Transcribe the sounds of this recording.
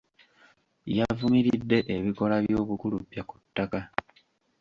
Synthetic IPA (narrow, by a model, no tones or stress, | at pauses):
javumiɾidːe̞ʔeβiko̞laβjjo̞ːβukulupːjaku̥tːaka